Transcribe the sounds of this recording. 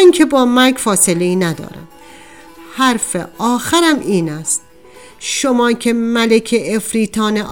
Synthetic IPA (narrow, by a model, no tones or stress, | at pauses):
ŋkʰebɒːmæɾɡfɒːseleiːnæd̪ɒ̰ːɾæ̰m | hæɾfeɒːxæɾæmiːnæst̪̚ | ʃomɒːcʰemælekʰeʔːfɾiːt̪ʰɒːneʔ